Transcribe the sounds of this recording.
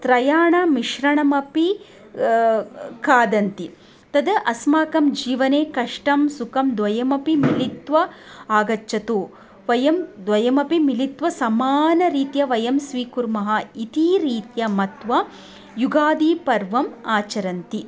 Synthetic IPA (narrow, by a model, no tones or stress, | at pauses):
t̪ɾɐjaːɳɐmiʃɾɐɳɐmɐpi | kaːd̪ɐnt̪i | t̪ɐd̪ɐʔɐsmaːkɐmd͡ʒiːʋɐneːkɐʂʈɐmsukɐmd̪ʋɐjɐmɐpimilit̪ʋɐ | aːɡɐt͡ʃːɐt̪uː | ʋɐjɐmd̪ʋɐjɐmɐpimilit̪ʋɐsɐmaːnɐɾiːt̪jɐʋɐjɐmsʋiːkuɾmɐɦɐit̪iːɾiːt̪jɐmɐt̪ʋɐ | juɡaːd̪iːpɐɾʋɐmaːt͡ʃɐɾɐnt̪i